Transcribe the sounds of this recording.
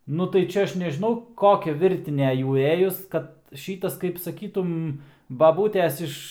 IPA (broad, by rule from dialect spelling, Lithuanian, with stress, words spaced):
ˈnʊ tɐɪ ˈt͡ʃʲɛ ˈɐʃ nʲɛʒʲɪˈnɐʊ ˈkoːkʲɛ ˈʋʲɪrʲtʲɪnʲeː ˈjuː ˈeːjʊs ˈkɐt ˈʃʲiːtɐs kɐɪp sɐˈkʲiːtʊm bɐˈbuːtʲeːs ˈɪʃ